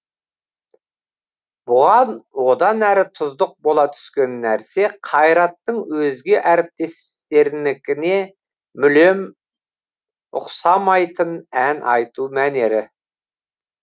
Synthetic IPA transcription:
bʊʁɑnwo̞d̪ɑnæɾɪt̪ʰʊzd̪əq̚bo̞lˠɑt̪ʰʏ̥skʲe̞nːæɾse̞qʰɑjɾɑt̪ːəɴwɵzɡʲe̞ʔæɾɪp̚t̪e̞s | t̪e̞ɾnɪkʲɪne̞ | mʏle̞m | ʊ̰qsɑmɑjt̪ənænʔɑjt̪umæne̞ɾɪ

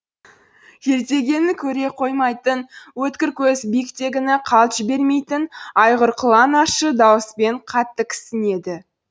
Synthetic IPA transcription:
jʰe̞ɾt̪e̞ɡʲe̞nɪkʲʰɵɾe̞qʰo̞jmɑjt̪ənwɵt̪kʲɪɾkʲʰɵzbijkt̪e̞ɡʲɪnɪqʰɑlˠt̪ʒ̥ɪbe̞ɾme̞jt̪ɪnɑjʁəɾqʰəlˠɑnɑʃəd̪ɑwəspe̞ɴqʰɑt̪ːəkʲʰɪ̥sɪne̞d̪ɪ

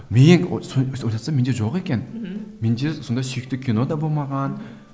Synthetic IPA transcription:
meŋsoojt̪ɑt̪sɑmend̪eʒo̞qe̞kʲe̞nmend̪eso̞nd̪ɑsijk̚t̪ɪkʲʰino̞d̪ɑbo̞lˠmɑʁɑn

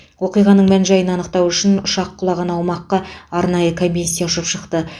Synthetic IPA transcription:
wo̞qijʁɑnəɴmænʒɑjənɑnəqt̪ɑwʏʃɪnʊʃɑqʰːʊlˠɑʁɑnɑwmɑqːɑɑɾnɑjəkʰomʲːisʲijaʊʃəpʃəqt̪ə

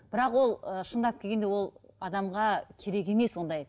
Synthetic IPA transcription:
b̥ɪɾɑqwo̞lˠəʃəɴd̪ɑp̚kʲeɡʲe̞nd̪ewo̞lˠɑd̪ɑmʁɑkʲʰe̞ɾe̞kʲe̞meswo̞nd̪ɑj

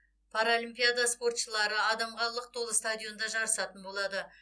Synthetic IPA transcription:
pʰaɾolimpijad̪ɑspo̞rt̪ʃəlˠɑɾəɑd̪ɑmʁɑlˠəq̚t̪ʰo̞lˠəst̪ad̪ʲijo̞nd̪ɑʒɑɾəsɑt̪ənbo̞lˠɑd̪ə

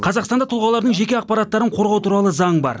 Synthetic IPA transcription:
qʰɑzɑqst̪ɑnd̪ɑt̪ʰʊlˠʁɑlˠɑɾd̪əɴʒe̞kʲe̞ɑq̚pɑɾɑt̪ːɑɾəɴqʰo̞ɾʁɑwt̪ʰuɾɑlˠəzɑɴbɑ̰ɾ

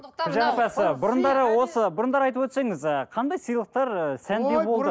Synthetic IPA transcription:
ʒɑɾɑpɑsəbʊɾənd̪ɑɾəwo̞səbʊɾənd̪ɑɾɑjt̪əpwɵt̪se̞ŋɪzəqʰɑnd̪ɑjsijlˠəq̚t̪ɑɾsænd̪ebo̞lˠd̪ə

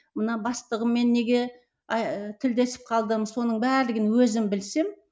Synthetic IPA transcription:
mənɑbɑst̪əʁəmːe̞nːe̞ɡʲe̞ | ɑt̪ʰɪld̪e̞sɪ̥p̚qʰɑlˠd̪əmso̞nəɴbæɾlɪɡʲɪnwɵzɪmbɪlse̞m

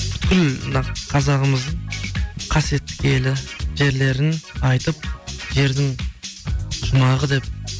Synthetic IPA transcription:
pʰʏ̥t̪kʲɪlmnɑqqʰɑzɑʁəməzd̪əɴqʰɑsjet̪ːɪ̥kʲe̞lɪʒe̞ɾle̞ɾɪnɑjt̪əp̚ʒe̞ɾd̪ɪŋ | ʒʊmɑʁəd̪e̞p̚

